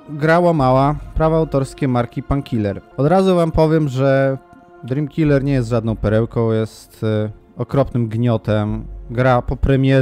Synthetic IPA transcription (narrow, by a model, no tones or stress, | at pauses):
ɡɾawamawapɾavɔawt̪ɔɾskʲɛmaɾkʲipankʲilɛɾɔd̪ɾazuvampɔvʲjɛmʐɛ | d̪ɾimkʲilɛɾɲɛjɛst̪ʐad̪nɔ̃w̃pɛɾɛwkɔ̃w̃jɛst̪ | ɔkɾɔpnɘmɡɲɔt̪ɛmɡɾapɔpɾɛmʲjɛ